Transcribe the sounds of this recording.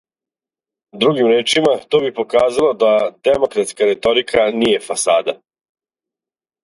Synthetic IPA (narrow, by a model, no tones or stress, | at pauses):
d̪ɾuɡimɾeːt͡ʃimat̪o̞ːbipo̞kaːzalˠod̪ad̪e̞mo̞kɾat̪skaɾe̞t̪o̞ɾikʰanije̞fasaːd̪a